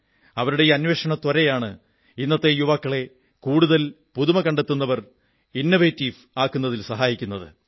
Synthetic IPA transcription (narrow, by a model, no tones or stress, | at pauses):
ɐʋɐɾuɽejiɐnweʂɐɳɐt̪wɐɾɐjaːɳɨ | inːɐt̪ːe̞juʋɐkːɐɭe̞ | kuːɽuðɐl | puðumɐkɐɳɖe̞t̪ːunːɐʋɐr | inːoʋeːtːiːf | aːkːunːɐðilsɐɦaːjikʲːunːɐðɨ̰